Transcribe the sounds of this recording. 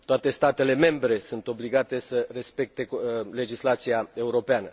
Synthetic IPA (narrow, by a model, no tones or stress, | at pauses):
t̪oat̪e̞st̪at̪e̞le̞me̞mbɾe̞sunt̪o̞bliɡat̪e̞səre̞spe̞k̚t̪e̞le̞d͡ʒislat̪siae̞uɾo̞peanə